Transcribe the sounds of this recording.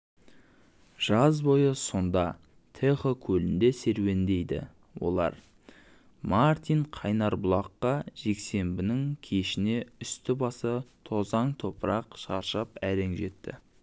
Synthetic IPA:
ʒ̥ɑzbo̞jəso̞nd̪ɑ | t̪ʰeχokʲʰɵlɪnd̪e̞se̞ɾwe̞nd̪e̞jd̪ɪ̰ | wo̞̰lˠɑ̰ɾ | maɾt̪ijɴqʰɑjnɑɾbʊlˠɑqːɑʒ̥e̞kse̞mbɪnɪŋkʲʰe̞ʃɪne̞ʏst̪ɪbɑsət̪ʰo̞zɑɴt̪ʰo̞pəɾɑqʃɑɾʃəpæɾe̞ŋʒe̞t̪ːɪ̰

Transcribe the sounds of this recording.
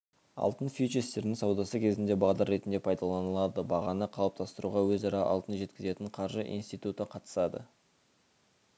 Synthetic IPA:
ɑ̰lˠt̪ənfit͡ʃest̪e̞ɾnɪŋsɑwd̪ɑsəkʲʰe̞zɪnd̪e̞bɑʁd̪ɑɾːe̞t̪nd̪e̞pʰɑjd̪ɑlˠɑnəlˠɑd̪əbɑʁɑnəqʰɑlˠəp̚t̪ʰɑst̪əɾuʁɑwɵzɑɾɑʔɑ̰lˠt̪ənʒe̞t̪kʲɪze̞t̪ɪɴqʰɑɾʒəʔḭnst̪ijt̪ut̪əqʰɑt̪ə̥sɑd̪ə̰

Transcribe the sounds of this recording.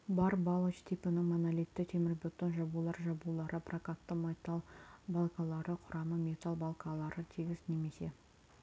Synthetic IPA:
bɑɾbɑlˠət͡ʃt̪ʰipɪnɪŋmonalʲit̪ːɪt̪ʰe̞mɪɾbʲot̪ːənʒɑbulˠɑɾʒɑbulˠɑɾəprakat̪ːəmet̪ɑlˠbalˠkɑlˠɑɾəqʰʊɾɑməmʲe̞t̪alˠbalˠkɑlˠɑɾət̪ʰiɡʲɪz̥ne̞me̞se̞

